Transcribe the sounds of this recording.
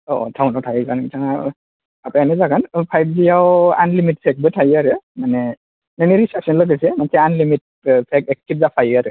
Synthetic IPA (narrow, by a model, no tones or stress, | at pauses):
ɔʔɔ̰tʰawnɔtʰajɡankitʰaŋa | apaanɛzaɡanpʰajb̚zijawanlimit̚pʰɛk̚bɯtʰajaɾɯmanɛ | nɛniɹisɛsɔnlɔɡasɛmansɛanlimit̚ | pʰɛkɛkːit̚zapʰajaɾɯ